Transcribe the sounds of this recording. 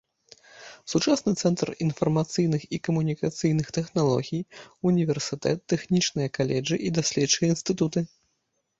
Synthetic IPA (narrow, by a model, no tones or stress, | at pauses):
sut͡ʂasnɨt̪sɛnt̪rinfɐrmat̪sɨjnɨxikɐmunʲikat̪sɨjnɨxt̪ɛxnalˠɔ̰ɣʲijunʲivʲɛrsɨt̪ɛ̰t̪ːɛxnʲit͡ʂnɨjɐkalʲɛd͡ʐɨʔid̪asʲlʲɛtt͡ʂɨjɐinst̪ɨt̪ut̪ɨ